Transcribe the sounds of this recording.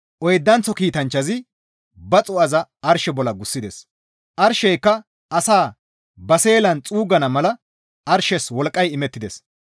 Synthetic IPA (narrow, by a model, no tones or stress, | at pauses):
ʔɔjd̪ːɐnt͡sːɔkiːt̪ɐnt͡ʃːɐzɪ | bɐt͡sʼʊɐzɐɐɾʃɛbɔlɐɡʊsːɪd̪ɛs | ʔɐɾʃɛjkːɐ | ʔɐsaː | bɐse̞ːlɐnt͡sʼuːɡɐnɐmɐlɐ | ʔɐɾʃɛswɔlkʼːɐjɪmɛt̪ːɪd̪ɛs